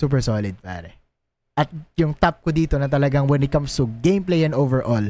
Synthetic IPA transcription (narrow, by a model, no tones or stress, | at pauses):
suːp̬ɛɹsoːlɪd̪̚pa̰ːɾɛ | ʔɐt̪̚jʊŋt̪ap̚kʊd̪iːt̪onɐt̪ɐlɐɡaŋwɛ̃nɪt̪̚kɐmst̪uɡẽjmplejɐ̃novɛɹʔol